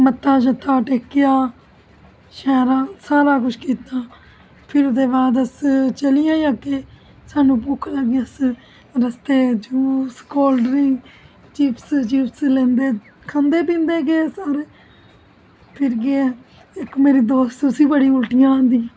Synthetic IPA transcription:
mət̪ːãːʃ̬ət̪ːaːʈeːkːɪjaː | ʃɛːɾãːsaːɾaːkʊt͡ʃʰkiːt̪aː | pʰɪɾʊd̪eːbaːd̪əst͡ʃəlijãːãːkeː | saːnũːp̬ʊːkʰlaːɡiəs | ɾəst̪eːd͡ʒuːskoːlɖɾĩː | t͡ʃiːpʰst͡ʃiːpslẽːnd̪eː | kʰãːnd̪eːpĩːnd̪eːɡeːsəɾ | pʰɪɾɡeː | ɪkmeːɾiːd̪oːst̪ʊsiːbəɽiːʊlʈɪjãːnd̪ĩː

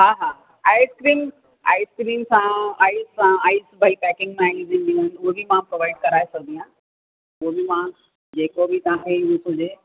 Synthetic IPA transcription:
ɦãɦã | aːiskɾiːm | a̰ːiskɾiːmsãaːisːãaːisbəipɛkɪ̃ŋɡmẽaiizĩnd̪iʋənuɦebʱimãpɾoʋaɪɖkɐɾaːesɐɡd̪ĩjã | uobʱimã | d͡ʑeːkobʱitaːɦeũsõd͡ʑe

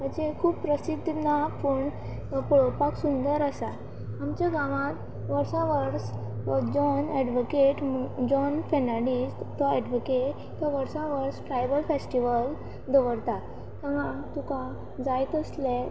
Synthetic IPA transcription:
m̤əɳd͡zekʰuːppɾəsid̪ʱnapuɳ | pɔɭopaksund̪əɾəsa | amt͡ɕaɡãʋãt̪ | ʋəɾsãʋəɾsd͡ʑɔnɛɖʋokeʈd͡ʑɔnfenaɽist̪ɔɛɖʋokeʈ | t̪ɔʋəɾsãʋəɾsʈɾajbəlfesʈiʋəl | d̪əʋəɾt̪at̪ | k̪əŋat̪uka | d͡zajt̪əsle

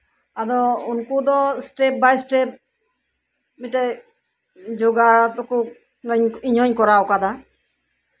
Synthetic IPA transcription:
ad̪ɔunkud̪ɔsʈep̚bajsʈep̚ | miʈaj | d͡ʒoɡat̪ɔkɔ | ɾɛɲiɲɔɲkɔɾawkad̪a

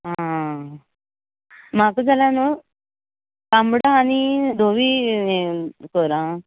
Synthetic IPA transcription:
ɦãã | m̤akəd͡zʱalano | kambɽaːnid̪ʱoʋi | kəɾã

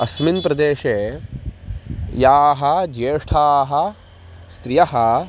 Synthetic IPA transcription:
ɐsminpɾɐd̪eːʃeː | jaːɦɐd͡ʒeːʂʈʰaːɦɐ | st̪ɾijɐɦɐ

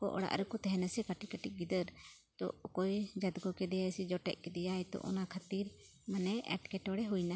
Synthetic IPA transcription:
kɔ̰ʔɔ̰ɽa̰ʔɾɛkɔt̪ɛɦɛnasɛkaʈikaʈiɡid̪əɾ | t̪ɔ̰kɔjd͡ʒad̪ɡɔkɛd̪ɛjajsid͡ʒɔʈɛ̰ʔ̚kɛd̪ɛjajt̪ɔ̰ʔɔ̰nakʰat̪iɾ | manɛɛ̰ʈkɛʈɔɽɛɦujna

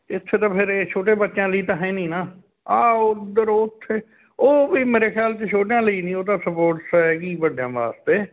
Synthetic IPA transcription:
ɪt̪ʰːeːt̪ãːpʰɪɾeːt͡ʃʰoːʈ̬eːbətːʃjãːləiːt̪ãːɦɛ̃ːnĩːnaː | aːod̪əɾoːʊt̪ʰːeː | oːbiːmeːɾeːxʰjaːlt͡ʃet͡ʃʰoːʈjãːləiːnĩːoːd̪aːsəpoːʈsɛɡiːbəɖjãːʋa̰ːst̪eː

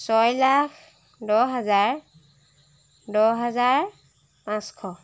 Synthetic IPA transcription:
sɔjlakʰ | dɔɦazaɹ | dɔɦazaɹ | pãskʰɔ

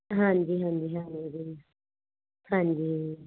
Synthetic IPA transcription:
ɦãnd̪iɦãnd̪iɦãnidi | hãnd̪i

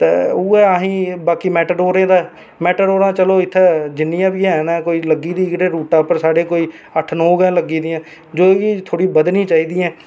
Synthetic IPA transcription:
t̪ḛːuːɛːəɦĩːbaːkiːmɛːʈəɖoːɾẽːd̪aːɛ | mɛːʈəɖoːɾãːt͡ʃəloːɪt̪ʰːɛːd͡ʒɪnːɪjãːbiːɛːnɛ̃ːkoːiːləɡiːd̪iːɪkɖeːɾuːʈaːpəɾsaːɽeːkoːiː | əʈʰnõːɡɛ̃ːləɡiːd̪ɪjãː | d͡ʒoːiːt̪ʰoːɽiːbəd̪nĩːt͡ʃaːiːd̪iːɛ̃ː

